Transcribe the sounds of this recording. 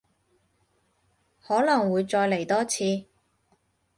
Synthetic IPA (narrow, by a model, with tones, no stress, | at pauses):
hɔː˨˥lɐ˨˩ŋwuː˨˧jt͡sɔː˧jle˨˩jt̪ɔː˥t͡sʰiː˧